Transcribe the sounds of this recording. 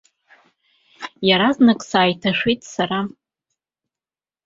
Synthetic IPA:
jaɾaznɨkʼsaːjtʰaʂijtʼsaɾa

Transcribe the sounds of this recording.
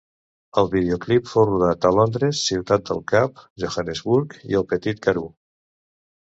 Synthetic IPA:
əlˠβið̞eoklipfowruðat̪əlɔnd̪ɾəsːiwt̪at̪̚d̪ə̰lˠkap̚ʒoxanəzβuɾkḭəlˠpət̪it̪̚kəɾu

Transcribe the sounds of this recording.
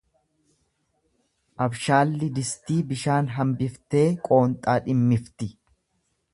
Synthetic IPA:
ʔɐbʃaːlːɪd̪ɪst̪iːbɪʃaːnɦɐmbɪft̪e̞ːkʼo̞ːnt̪ʼaːᶑɪmːɪft̪ɪ

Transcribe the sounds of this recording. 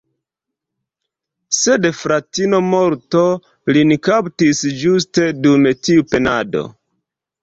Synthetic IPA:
se̞dfɾatino̞mo̞ɾto̞ | linikaptisd͡ʒus̬te̞dumetiupe̞na̰do̞̰

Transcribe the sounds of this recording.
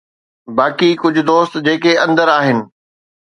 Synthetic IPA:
baːkikʊd͡ʑʱʊ̆d̪oːst̪d͡ʑeːkeɐ̃nd̪əɾaːɦɪnɪ̆

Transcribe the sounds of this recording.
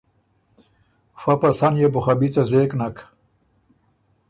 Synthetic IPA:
fapasanjebʊxabit͡sazeknak

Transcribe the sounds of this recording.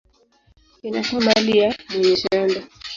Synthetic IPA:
inatɔmalijamɛɲɛʃɛndɔ

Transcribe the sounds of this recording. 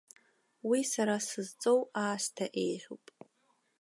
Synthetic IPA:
wisaɾasɨzt͡sʼo̞waːʃtʰaʔejħʲo̰pʼ

